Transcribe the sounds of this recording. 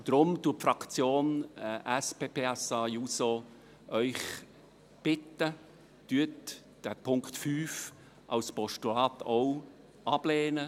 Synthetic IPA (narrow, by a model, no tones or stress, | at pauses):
d̪̥ɾʊmt̪uːfɾɑkt͡sjoːnʔæspeːpʰeːɛsɑjuːso | ʔœʏχ | b̥ɪtːə | tyət | d̥æpʰʊŋktfyːf | ʔɑ̰wspɔʃtulɑːtow | ɑb̥leːnə